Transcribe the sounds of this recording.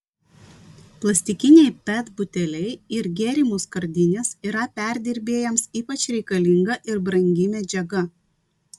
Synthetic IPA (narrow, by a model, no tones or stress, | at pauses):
plˠɐsʲt̪ʲɪkʲɪnʲɛɪpʲɛt̪bʊt̪ʲɛlʲɛɪɪɾɡʲeːɾʲɪmuskɐɾʲd̪ʲɪnʲesiːɾɐpʲæˑɾʲd̪ʲɪɾʲbʲeːjɛmsiːpɐt͡ʃʲɾʲɛɪkɐlʲɪŋɡɐʔɪɾbɾɐŋʲɡʲɪmʲɛd͡ʒʲɛɡɐ